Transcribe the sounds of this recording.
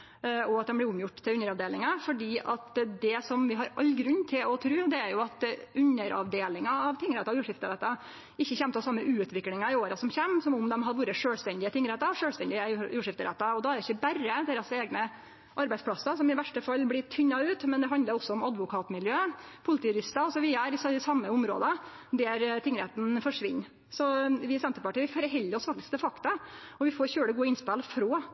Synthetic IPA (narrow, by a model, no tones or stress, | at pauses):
ɔɑt̪̚d̪ɛnmblɪɾʊmjʊʈːt̪ʰːɪlʉnːəɾɑʋd̪eːlɪŋɑfɔɖiːʔɑt̪d̪ɛsɔmʋɪɦɑɾʔɑlːɡɾʉnːt̪ʰɪlɔt̪ʰɾʉːd̪ɛæɾjʊɑt̪ʉnːəɾʔɑ̰ʋd̪eːlɪŋɑɑʋt̪ʰɪŋːɾɛt̪ːɑjʉːʂɪft̪əɾɛt̪ːɑ | ɪçːəçɛmt̪ʰɑsɑmːəʔʉːʉt̪ʰʋɪklɪŋɑɪoːɾɑsɔmçeːmːsɔmʊmd̪ɛmɦɑd̪ʋuːɾəʂøːlst̪ɛnd̪ɪət̪ʰɪŋːɾɛt̪ːɑʂøːlst̪ɛnd̪ɪəjuːʂɪft̪əɾɛ̰t̪ːɑɔd̪ɑæɾɪçːəbæɾəd̪eːɾɑseːɡnə | ʔɑɾbæɪsplɑsɑsɔmɪʋæʂʈəfɑlːblɪt̪ʰʏɲːɑʉːt̪mɛnd̪ɛɦɑnd̪ləɾɔsːɔɔmɑd̪ʋʊkʰɑːt̪mɪljøːpʰʊlɪt̪iːɾɪst̪ɑɔsɔʋɪæɾɪsɪsɑmːəʊmɾo̰ːd̪ə | d̪æːɾt̪ʰɪŋːɾeːt̪nfɔʂʋɪnː | sɔʋɪsɛmt̪əpɑʈiːʋɪfɔɾɦɛlːəɔsfɑk̚t̪ɪskd̪ɛfɑkt̪ɑɔʋɪfoːɾçøːɽəɡuːəɪnspɛlfɾoː